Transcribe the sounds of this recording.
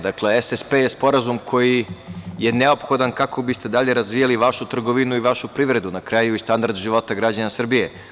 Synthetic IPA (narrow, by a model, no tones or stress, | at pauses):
d̪akleesespejespo̞ɾazumkʰo̞jije̞neo̞pxo̞d̪ankakʰo̞bist̪e̞d̪aʎe̞ɾazʋijaliʋaʃut̪r̩ɡo̞ʋinuiʋaʃupɾiʋɾe̞d̪unakɾajuist̪and̪aɾd̪ʒiʋo̞t̪aɡɾad͡ʑanasr̩bije̞